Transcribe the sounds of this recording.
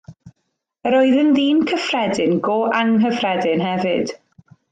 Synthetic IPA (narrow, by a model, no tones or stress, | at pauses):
əɾɔɨðənðiːnkʰəfrɛdɪnɡoːʔaŋɦəfrɛdɪnɦɛvɨd̥